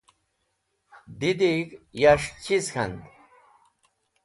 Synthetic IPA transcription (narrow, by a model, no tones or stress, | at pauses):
d̪id̪ikjaʂt͡ɕʰiskʰɐnd̪